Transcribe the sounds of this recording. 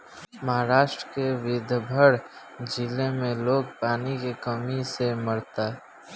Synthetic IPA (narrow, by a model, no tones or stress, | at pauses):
məɦaɾaːʃʈɾəkeʋɪd̪ʱbʱəɽ | d͡ʒɪlemẽloːɡ̚paːnikekəmiseməɽt̪a